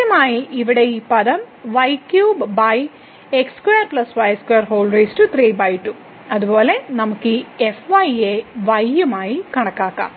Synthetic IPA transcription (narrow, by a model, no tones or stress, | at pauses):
jɐmaːjiiʋiɽe̞iːpɐðɐmʋɐjkjuːbbɐj | ekskuejɐrplɐsʋɐjskuejɐrɦo̞ːlɾeːstɨt̪riːbɐjʈːu | ɐðubo̞ːle̞nɐmukːɨefʋɐjeʋɐjːɐmaːjikɐɳɐkːaːkːa̰ːm